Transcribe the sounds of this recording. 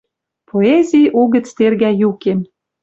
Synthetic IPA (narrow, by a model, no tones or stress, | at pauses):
pʰoezʲijuɣə̆t͡st̪erɣæjukem